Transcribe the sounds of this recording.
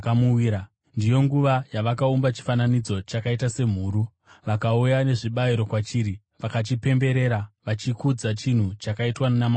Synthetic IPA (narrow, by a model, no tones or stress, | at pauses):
kmuiɾa | ndijo̞ŋɡuʋajaʋakaumbat͡ʃi̥fananid͡zo̞t͡ʃakaitase̞m̤uːɾu | ʋakaujane̞ʐiɓaiɾo̞kwat͡ʃiːɾi | ʋakat͡ʃipe̞mbe̞ɾe̞ɾaʋat͡ʃikud͡zat͡ʃin̤ut͡ʃakaitwanama